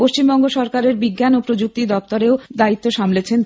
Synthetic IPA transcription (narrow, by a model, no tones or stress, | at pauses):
poʃt͡ɕimbɔŋɡoʃɔɾkaɾeɾbiɡːanopɾod͡ʑuk̚t̪id̪ɔpt̪oɾeod̪ait̪ːoʃamlet͡ɕʰen